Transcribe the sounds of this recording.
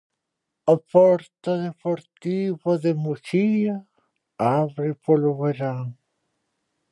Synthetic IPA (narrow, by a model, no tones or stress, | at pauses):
apɔɾt̪aðepoɾt̪iβaðemuʃiɐ | aβɾɪpoloβeɾaŋ